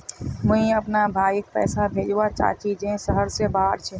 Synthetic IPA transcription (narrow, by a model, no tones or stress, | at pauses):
mʊɦĩɐpnabʱaːjk̚pɛ̰ːsabʱeːd͡ʒwat͡ʃa̰ːt͡ʃid͡ʒẽsəɦəɾsebaːɾt͡ʃʰe